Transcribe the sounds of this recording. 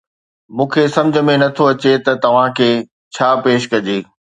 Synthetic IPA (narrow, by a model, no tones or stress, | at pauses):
mũːkʰesɐ̃md͡ʑʱə̆mẽnɐt̪ʰoɐt͡ɕet̪ɐt̪ɐʋ̤ãkʰeː | t͡ɕʰaːpeːʃkɐd͡ʑeː